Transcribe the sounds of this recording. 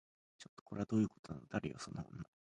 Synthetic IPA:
t͡ɕo̞t̪ːo̥ko̞ɾe̞ad̪o̞ːjɯ̟kot̪onanod̪aɾɯ̟̰jo̰sonoõ̰nːa

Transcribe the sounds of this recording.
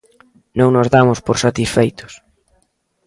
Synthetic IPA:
nõŋnozðamʊspoɾsat̪isfejt̪ʊ̥s

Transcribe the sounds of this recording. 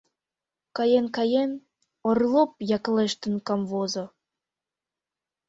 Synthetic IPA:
kɑjenkɑjen | orlˠop̚jɑkleʃt̪ə̆nkɑmvozo

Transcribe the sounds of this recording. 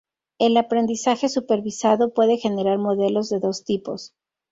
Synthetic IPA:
e̞lapɾe̞nd̪isaxe̞supe̞ɾβisaðo̞pwe̞ðe̞xe̞ne̞ɾaɾmo̞ðe̞lo̞zðe̞ðo̞st̪ipo̞̰s

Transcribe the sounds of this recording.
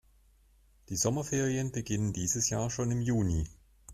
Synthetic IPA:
d̥iːzɔmɐfeːʁiənbəɡɪnəndiːzəsjaːɐʃoːnɪmjuːni

